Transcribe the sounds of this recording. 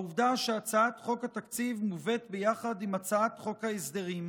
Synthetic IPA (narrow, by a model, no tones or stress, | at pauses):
uvd̪aʃeat͡saat̪χo̞khat̪akt͡sivmuve̞t̪bejaχadimat͡saat̪χo̞khaesd̪eʁim